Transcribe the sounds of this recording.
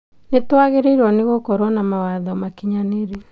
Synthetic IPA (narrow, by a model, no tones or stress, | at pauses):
netwaɣeɾeiɾwɔneɣokɔɾwɔnamawaðɔmakiɲaneɾe